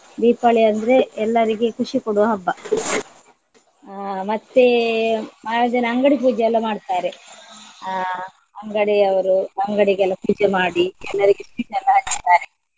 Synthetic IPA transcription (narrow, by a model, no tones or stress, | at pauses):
d̪iːpaːɭiɐnd̪ɐɾe̞ɛlːɐɾiɡekuʂikoɽuɦɐbːɐ | mɐt̪ːe | maːd͡ʒɐnɐɐŋɡɐɽipuːd͡ʒɐɛlːɐmaːɽt̪aːɾe | ɐŋɡɐɽeɐʋɐɾuɐŋɡɐɽiɡɛlːɐpuːd͡ʒemaːɽiɛlːɐɾiɡespiːʈɛlːɐɦɐt͡ʃːi̥t̪aːɾe